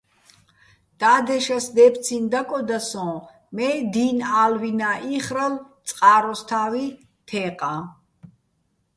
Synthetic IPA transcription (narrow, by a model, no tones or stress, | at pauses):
d̪̥ad̪ɛʃasd̪ɛpʰt̪sʰind̪akʼɔd̪asɔ̃ | mɛd̪inalvinaʔiχɾalt̪sʼqʼaːɾɔst̪ʰavi | t̪ʰɛːqʼa